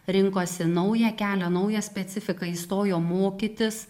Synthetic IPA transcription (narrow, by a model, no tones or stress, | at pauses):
ɾʲɪŋkoːsʲɪnɐʊjɛkʲæːlʲɛnɐʊjɛsʲpʲɛt̪sʲɪfʲɪkɐiːst̪oːjoːmoːkʲɪt̪ʲɪs